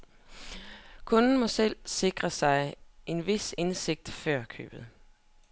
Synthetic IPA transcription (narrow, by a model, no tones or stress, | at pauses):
kʰɔ̽nn̩mɒ̽sel̰se̝ɡ̥ʁɐsɑ̈ɪʔe̝nʋe̝sense̝ɡ̥̚d̥fɶɐ̰kʰø̰ːb̥ð̩ˠ